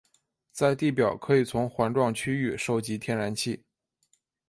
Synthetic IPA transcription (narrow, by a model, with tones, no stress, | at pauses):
t͡sa˥˧ɪt̪i˥˩pjɑ˨˩ʊkʰɤ˧˥i˨˩t͡sʰʊ˧˥ŋxwa˧˥nʈ͡ʂwɑ˥˩ŋt͡ɕʰy˥y˥˩ʂo˥˩ʊt͡ɕi˧˥t̪ʰjɛ˥˧nɻa˧˥nt͡ɕʰi˥˩